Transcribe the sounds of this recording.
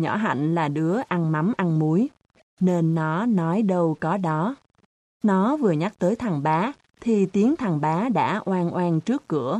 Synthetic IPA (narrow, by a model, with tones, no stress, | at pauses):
ɲɔ̰˧˩˥ɦa̰˧˨jŋ̟laː˨˩ɗɨ˨˦əʔa˧nma˨˦mʔa˧nmu˨˦j | ne˧nːɔ˨˦nɔ˨˦jɗə˧wkɔ˨˦ɗɔ˨˦ | nɔ˨˦vɨ˨˩əɲa˦˥k̚t̪əː˨˦jt̪ʰa˨˩ŋɓaː˨˦ | t̪ʰi˨˩t̪i˨˦əŋt̪ʰa˨˩ŋɓaː˨˦ɗa̰ː˧˥ʔwaː˧nʔwaː˧nt͡ɕɨ˦˥əkːɨ̰˧˩ə